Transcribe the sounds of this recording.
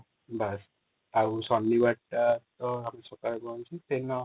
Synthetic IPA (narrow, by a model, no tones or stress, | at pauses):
bas | ausɔnibaʈat̪ɔamisɔkaɾɔɡɔnt͡ʃʰit̪enɔ